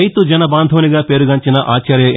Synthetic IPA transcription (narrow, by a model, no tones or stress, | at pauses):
jt̪ud͡ʒɐnɐbaːnd̪ʱɐːniɡaːpeːɾuɡɐɲt͡ʃinɐʔaːt͡ʃɐːɾjɐ